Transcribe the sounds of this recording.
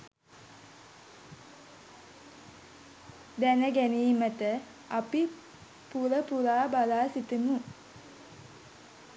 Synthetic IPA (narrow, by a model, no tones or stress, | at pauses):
d̪ænəɡæniːmət̪ə | api | puɾəpuɾaːbalaːsit̪imu